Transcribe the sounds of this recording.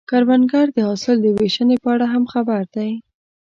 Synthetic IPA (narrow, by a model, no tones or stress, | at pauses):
kaɾwanɡɑɾd̪əhɑsɪld̪əweʃənepəaɽaɦamxabaɾd̪aj